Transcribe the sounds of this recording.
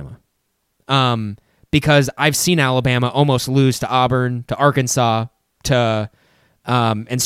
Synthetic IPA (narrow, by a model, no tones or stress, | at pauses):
mə | ʌ̃m | b̥ɨkʰʌzaɪv̥sĩnælˠəbæməʔɔlˠmoʊstˡlʉz̥tʰəʔɑbə̃˞ntʰəʔɑɹkɨ̃nsɔ | tʰɨ | ʌ̃mɨ̃ns